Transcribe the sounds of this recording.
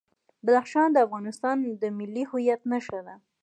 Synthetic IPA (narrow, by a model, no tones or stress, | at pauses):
bad̪axʃɑnd̪əafɣɑnɪst̪ɑnd̪əmɪlːihʊjat̪naʃad̪a